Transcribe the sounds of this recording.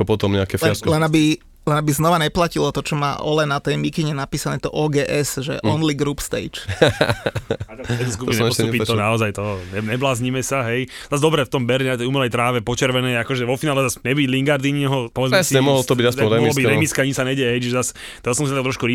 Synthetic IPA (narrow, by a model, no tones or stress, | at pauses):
ɔpɔt̪ɔmɲɛakɛfllɛnabi | lɛnabiznɔʋaɲɛplacilɔt̪ɔt͡ʃɔma̰ːʔɔlɛnat̪ɛjmikiɲɛnapiːsanɛːt̪ɔʔɔːɡɛːʔɛzʒɛ̰ʔɔnliɡɾuːpst̪ɛ̰ɪt͡ʃ | at̪aɛt̪uskupiɲɛɛɔpit̪ɔnaɔzajt̪ɔɦɲɛɲɛblaːzɲimɛsaɦɛjzazd̪ɔbɾɛft̪ɔmbɛɾɛnat̪ɛjumɛlɛjt̪ɾaːʋɛpɔt͡ʃɛɾʋɛnɛjakɔʒɛʋɔfinaːlɛzasmɛbiɟliŋɡaɾd̪iɲɛɦɔpɔʋɛd͡zɛɛsɛmɔɦɔlt̪ɔbiɟasɛɔɛɛɔlɔbiɾɛmiskɛaɲisaɲɛɟɛɦɛjt͡ʃiʒɛzas | t̪ɔɦɔsɔmsinaakt̪ɾɔʃkuɾi